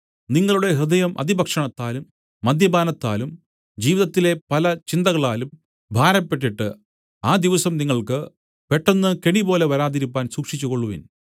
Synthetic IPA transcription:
niŋːɐɭuɽe̞ɦrɨd̪ɐjɐmʔɐ̰d̪ibʱɐkʂɐɳɐt̪ːaːlumː | ɐd̪jɐbaːnɐt̪ːa̰ːlum | d͡ʑiːʋiðɐt̪ːile̞pɐlɐt͡ɕind̪ɐɣɐɭaːlum | bʱaːɾɐpːe̞ʈ̬ːiʈːɨ | aːd̪iʋɐsɐmniŋːɐɭkɨ | pe̞ʈːɐnːɨkeɳibo̞ːle̞ʋɐɾaːðiɾupːaːnsuːkʂit͡ɕːuɣo̞ɭːuʋin

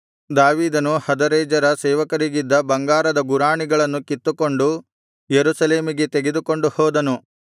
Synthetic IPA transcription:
d̪aːʋiːd̪ɐnuhɐd̪ɐɾɐjd͡ʒɐɾɐsɛːʋɐkɐɾiɡid̪ːɐbɐŋɡaːɾɐd̪ɐɡuɾaːɳiɡɐɭɐnːukit̪ːuko̞ɳɖu | jeɾusɐle̞ːmiɡe̞t̪eɡed̪uko̞ɳɖuhɔːd̪ɐnu

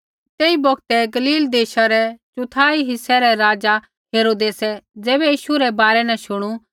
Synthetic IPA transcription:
t̪eːibɔɡt̪ɛɡɐliːld̪eːʃaɾɛt͡ʃʊt̪ʰaːiɦɪsɛɾɛɾaːd͡za | ɦeːɾoːd̪eːsɛd͡zɛːbɛjiːʃuɾɛbaːɾɛnɛ̃ʃʊɽ̃u

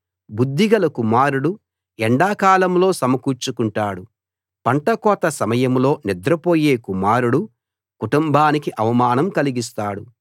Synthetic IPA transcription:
bud̪ʱːiɡɐlɐkumaːɾuɽu | ɛɳɖaːkaːlɐmlo̞ːsɐmɐkuːɾt͡ʃukuɳʈaːɽu | pɐɳʈɐkɔːt̪ɐsɐmɐjɐmlo̞ːnid̪ɾɐpoːje̞ːkumaːɾuɽu | kuʈumbʱaːnikiʔɐʋɐmaːnɐmkɐliɡis̬t̪aːɽu

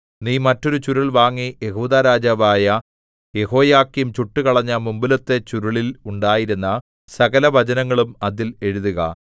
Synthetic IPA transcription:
niːmɐtːo̞ɾut͡ɕuɾuɭʋaːŋːije̞ɦuːðaːɾaːd͡ʑaːʋaːjɐ | je̞ɦo̞ːjaːkːijumt͡ɕuʈːɨkɐɭɐɲːɐmumbilɐt̪ːe̞t͡ɕuɾuɭiluɳɖaːjiɾunːɐ | sɐɣɐlɐʋɐt͡ɕɐnɐŋːɐɭumɐðile̞ɻuðuɣɐ̰

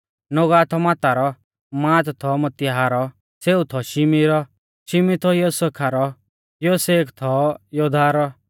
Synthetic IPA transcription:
noɡaːt̪ʰɔmaːt̪aɾɔ | mãːt̪t̪ʰɔmɐt̪ɪɦaɾɔ | seːut̪ʰɔʃɪmiɾɔ | ʃɪmit̪ʰɔjosekʰaɾɔ | joːseːkt̪ʰɔjoːd̪ʱaːɾɔ

